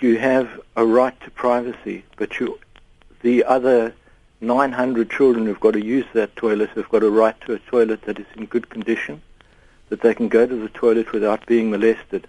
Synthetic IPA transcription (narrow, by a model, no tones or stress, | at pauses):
jɨːvəɹaɪtʰəpʰɹ̥aɪvɨsḭb̥ʌt͡ʃɨ | ðiʔʌðə˞ | nãɪ̃nɦʌ̃ndɹɨd̚t͡ʃʰɪlˠdɹə̃nhʉvɡɑɾɨjʉzðɨtʰɔɪlˠɨtsɨvɡɑɾəɹaɪtʰɨːtʰɔɪlˠɨt̪̚ðɨɾɨzɨ̃nɡʊd̚kʰn̩dɪʃɨ̃n | ðɨt̪̚ðeɪkn̩ɡoʊɾɨðɨtʰɔɪlˠɨt̚wɨθaʊt̚b̥iɪ̃ŋməlɛstɨd̥